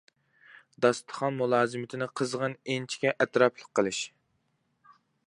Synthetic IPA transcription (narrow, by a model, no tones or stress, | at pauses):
d̪ɑst̪ʰə̥χɑnmulˠɑːzɨmɪt̪ʰɪnɪqʰəzʁənent͡ʃʰi̥kʲɛʔɛt̪ɾɑpʰlˠəqʰːəlˠɨʃ